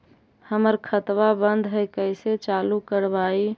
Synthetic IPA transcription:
həməɾkʰət̪ʋabənd̪ʱɦəɪkəɪset͡ʃalukəɾbai

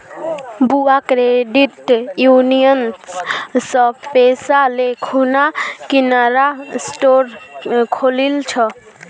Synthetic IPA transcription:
buakɾeɖiʈjunijən | səpesalekʰunakinaɾasʈoɾkʰolilt͡ʃʰə

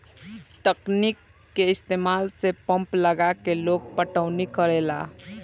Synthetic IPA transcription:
t̪əknikː | eɪst̪emalsepə̃mpləɡakeloɡ̚pəʈəʊnikəɾela̰

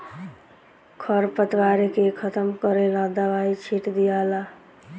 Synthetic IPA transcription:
kʰəɾpət̪ʋaɾekekʰət̪əmkəɾelad̪əʋait͡ʃʰiʈd̪ijala

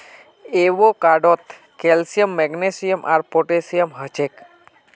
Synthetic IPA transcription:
eʋokaɖot̪ | kelsijəmːɛɡnesijəmʔa̰ɾpoʈesijəmɦət͡ʃek

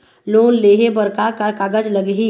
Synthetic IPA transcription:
loːnleːɦebəɾkakakaːɡəd͡ʒləɡɦi

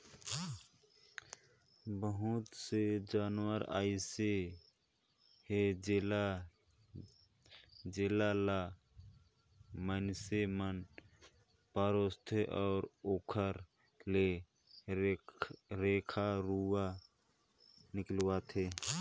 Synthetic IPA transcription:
bəɦʊt̪sed͡ʒaːnwəɾa̰ːise | ɦed͡ʒl | d͡ʒelala | mənsemən | paːɾoːst̪ʰeʔɔːɾoːkʰəɾ | le | ɾeːkʰaɾuwa | nɪklwat̪ʰe

